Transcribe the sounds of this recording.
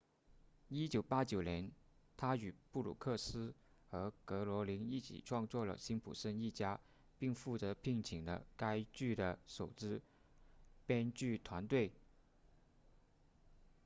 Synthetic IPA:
i˥t͡ɕjo˨˩ʊpa˥t͡ɕjo˨˩ʊnjɛ˧˥n | t̪ʰa˥y˨˩pu˥˩lṵ˨˩kʰɤ˥˩sɹ̩˥ | xɤ˧˥kɤ˧˥lwɔ˧˥li˧˥ŋi˥˩t͡ɕʰḭ˨˩ʈ͡ʂʰwɑ˥˧ŋt͡swɔ˥˩lə̰˨˩ɕi˥npʰṵ˨˩ʂə˥ni˥˩t͡ɕja˥ | pi˥˧ŋfu˥˩t͡sɤ˧˥pʰi˥˩ŋt͡ɕʰi˨˩ŋd̪ə̰˦ka˥ɪt͡ɕy˥˩d̪ə˩ʂo˨˩ʊʈ͡ʂɻ̩˥ | pjɛ˥nt͡ɕy˥˩t̪ʰwa˧˥nt̪we˥˩ɪ

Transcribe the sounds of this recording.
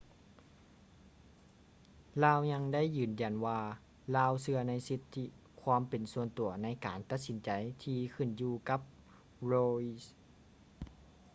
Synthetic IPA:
laː˧˥˨wɲa˧ŋda˥˨jːɯː˨˩nja˨˩nwaː˧ | laː˧˥˨wsɯ˧ɐna˧˥jsi˧˦t̪ʰːi˧ | kʰwaː˧˥˨mpe˨nsu˧ənt̪u˨˩˦ɐna˧˥jkaː˨nt̪a˧t̪̚si˨˦nt͡ɕa˨˩jt̪ʰiː˧kʰɯ˧˥˩njuː˧ka˧˥p̚ | ɾoː˧i˧s

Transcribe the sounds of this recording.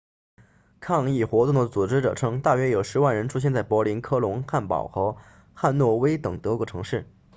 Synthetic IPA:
kʰɑ˥˧ŋi˥˩xwɔ˧˥t̪ʊ˥˩ŋd̪ə˩t͡su˨˩ʈ͡ʂɻ̩˥ʈ͡ʂɤ̰˨˩ʈ͡ʂʰɤ˥ŋt̪a˥˩ɥɛ˥jo˨˩ʊʂɻ̩˧˥wa˥˩nɻə˧˥nʈ͡ʂʰu˥ɕjɛ˥˧nt͡sa˥˩ɪpwɔ˧˥li˧˥nkʰɤ˥lʊ˧˥ŋxa˥˩npɑ̰˨˩ʊxɤ˧˥ | xa˥˧nnwɔ˥˩we˥ɪt̪ɤ˨˩ŋt̪ɤ˧˥kwɔ˧˥ʈ͡ʂʰɤ˧˥ŋʂɻ̩˥˩

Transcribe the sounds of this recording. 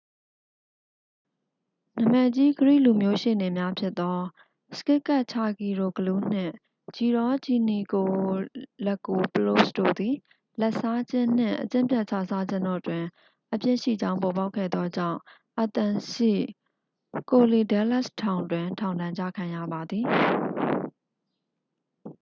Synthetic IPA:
na˨mɛ˨t͡ɕi˦ɡəɹḭ˦˨lu˨mjo˦ʃe˨ne˨mja˦pʰjɪ˦t̪ːɔ˦ | sə̥kɪ˦ʔkːa˦˨ʔt͡ɕʰa˨ɡi˨ɹo˨ɡəlu˦n̥ɪ̰̃˦˨ | d͡ʑi˨ɾɔ˦d͡ʑi˨ni˨ko˨lɛ˦kːo˨pəlo˦˨sdo̰˦˨d̪i˨ | lɛ˦ʔsa˦d͡ʑɪ̰̃˦˨n̥ɪ̰̃˦˨ʔət͡ɕɪ̰̃˦˨mpjɛ˦ʔt͡ɕʰa˦˨sa˦d͡ʑɪ̃˦˨ndɔ̰˦˨twɪ̃˨ | ʔəpjɪ̰̃˦˨ʃḭ˦˨d͡ʑã˦ʊ̃mpɔ˨ba˦ʊkʰːɛ̰˦˨d̪ɔ˦d͡ʑã̰˦˨ʊ̃ | ʔə˨t̪ã˨ʃḭ˦˨ | ko˨li˨dɛ˦la˦˨stʰã˨ʊ̃ndwɪ̃˨tʰã˨ʊ̃ndã˨ɲt͡ɕa̰˦˨kʰã˨jä̰˦˨ba˨d̪ði˨

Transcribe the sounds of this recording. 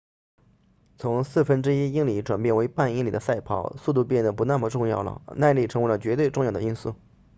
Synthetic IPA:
t͡sʰʊ˧˥ŋsɹ̩˥˩fə˥nʈ͡ʂɻ̩˥i˥i˥ŋli˧˥ʈ͡ʂwa˨˩npjɛ˥˩nwe˧˥ɪpa˥˩ni˥ŋli˨˩d̪ə˦sa˥˩ɪpʰɑ̰˥˩˥ʊsu˥˧t̪̬u˥˧pjɛ˥˩nd̪ə˩pu˧˥na˥˩mə˩ʈ͡ʂʊ˥˧ŋjɑ˥˩ʊlə̰˩na˥˧ɪli˥˩ʈ͡ʂʰɤ˧˥we˧˥lə˧t͡ɕɥɛ˧˥t̪we˥˧ɪʈ͡ʂʊ˥˧ŋjɑ˥˩ʊd̪ə˧i˥nsu˥˩

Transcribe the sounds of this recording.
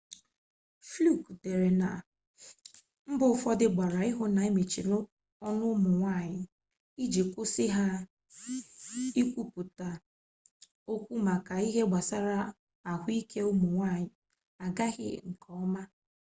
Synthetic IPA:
flu˦˨kde˨ɾe˨na˨ | m̩˦bʊ˨˦fɔ˦dɪ˦ɡ͡ba˨ɾa˨ɪ˦ɦʊ˦na˨i˦me˨t͡ʃi˨ɾʊ˦ | ɔ˦nʊ˦mʊ˨ŋʷa˦˨ɲɪ˨ | i˦d͡ʒi˨kʊ˦si˦ɦa˦ | i˦kʷu˦pu˨ta˨ | o˦kʷu˦ma˨ka˨i˦ɦe˦ɡ͡ba˨sa˦ɾa˦ | a˨ɦʷi˦kʰe˦ʊ˦mʊ˨ŋʷa˦˨ɲɪ˨ | a˨ɡa˦ɣɪ̰˦ŋ̩˨kɔ˨˦ɔ˦ma˦

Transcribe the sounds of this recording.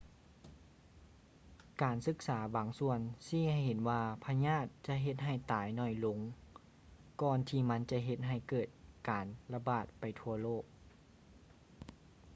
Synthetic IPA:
kaː˨˩nsɯ˧˦k̚saː˩˦baː˨˩˦ŋsu˧˩ənsiː˧˥˨ha˧˨˩jhe˨˦nwaː˧pʰa˧ɲaː˧˥˩t̪̚t͡ɕa˧ʔɦe˧˦t̪̚ɦa˧˩jt̪aː˨˦jnɔ˧˩jlo˨˧˦ŋ | kɔː˧nt̪ʰiː˧˩ma˧˥nt͡ɕa˧˦ɦe˧t̪̚ɦa˧˩jkɤː˧˩t̪̚kaː˨˩nla˧baː˨˩t̪̚pa˨˩jt̪ʰu˧ɐloː˥˩k̚

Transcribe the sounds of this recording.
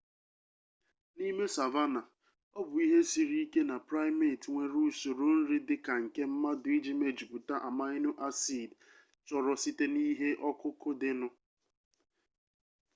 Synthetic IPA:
ni˦me˦sa˨va˦na˨ | ɔ˦bʊ˨i˦ɦe˦si˨ɾi˦ke˦na˨pɾa˦jmi˦˨tŋʷe˨ɾu˦˨so˨ɾo˨n̩˦ɾi˦dɪ˦ka˨ŋ̩˨ke˦m̩˦ma˦dʊ˨i˦d͡ʒi˦me˦d͡ʒi˨pʊ˨ta˦ʔa˨ma˦ɪ˦nʊ˦ʔa˦si˦˨d | t͡ʃɔ˨ɾɔ˨si˦te˦ni˦ɦe˦ʔɔ˦kʊ˦kʊ˦dɪ˦nʊ˦

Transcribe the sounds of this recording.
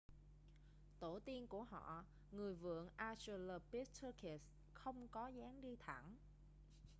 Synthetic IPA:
t̪o˧˩t̪i˧ənku˧˩əhɔ̰˧˨ | ŋɨ˨˩əjvɨ̰˧˨əŋʔaː˧t͡ɕə˧ləː˧˩pi˦˥t̚t̪ʰə˧kɛ˨˩s | xə˧wŋ͡mkɔ˨˦zaː˨˦ŋɗi˧t̪ʰa˧˩ŋ

